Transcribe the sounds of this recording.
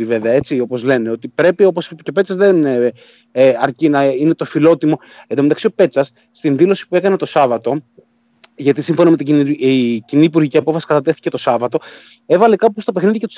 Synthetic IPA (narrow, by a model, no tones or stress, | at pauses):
ive̞veɐe̞t͡sio̞po̞zle̞ne̞o̞t̪ipɾe̞pio̞poscope̞t͡sɐzðen | ɐɾcinɐinet̪o̞filo̞t̪imo̞ | end̪omet̪ɐksio̞pe̞t͡sɐsːt̪inðilo̞si̥pue̞kɐne̞t̪o̞sɐvɐt̪o̞ | ʝɐt̪isiɱfo̞nɐmet̪iiciniːpuɾʝiciɐpofɐsi̥kɐt̪ɐt̪e̞θi̥ce̞t̪o̞sɐvɐt̪o̞ | e̞vɐlekɐpust̪o̞pexniðicet̪u̥s